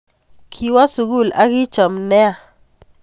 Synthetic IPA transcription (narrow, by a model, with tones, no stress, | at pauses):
kʰi˨wa˦su˨ɡu˦˨la˦ki˦t͡ʃɔ˨mnɛ˦a˦˨